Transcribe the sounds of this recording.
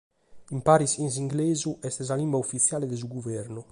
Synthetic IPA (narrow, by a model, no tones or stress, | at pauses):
impaɾisins̬iŋɡlɛːzuʔɛst̪ɛzalimbaufit̪sjaːled̪ez̬uɡuvɛɾnu